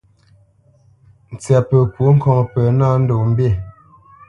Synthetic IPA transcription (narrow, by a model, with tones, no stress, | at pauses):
n̩˨t͡sja˨pə˨kwu˨˦ŋ̩˦kɔ˦ŋ˨pə˨na˦n̩˦do˨m̩˦bje˦˨